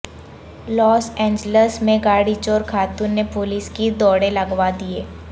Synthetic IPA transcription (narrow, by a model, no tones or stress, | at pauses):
lɔːsɛ̃ːɲd͡ʒləsmẽɡaːɽit͡ʃoːɾkʰaːt̪ʊnːepʊlɪskid̪ɔːɽẽlɐɡʋad̪ieː